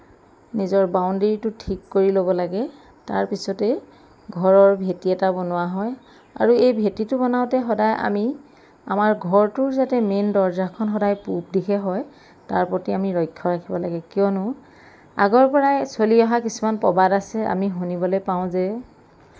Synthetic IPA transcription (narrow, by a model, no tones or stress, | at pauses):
nizɔɹbaʊndeɹitʊtʰikːoɹilobɔlaɡɛ | taɹpisɔtɛ | ɡʱɔɹɔɹbʱetiɛtabɔnʊwaɦɔj | a̰ɹuejbʱetitʊbɔnaʊtɛɦɔdajʔa̰mi | a̰maɹɡʱɔɹtʊɹzatɛmendɔɹzakʰɔnxɔdajpup̚dikʰɛɦɔj | taɹpɔtiamiɹɔjkʰːɔɹakʰibɔlaɡɛkijɔnʊ | a̰ɡɔɹpɔɹajsoliɔɦakisumanpɔbadasɛa̰miɦunibɔlɔjpaʊ̃zɛ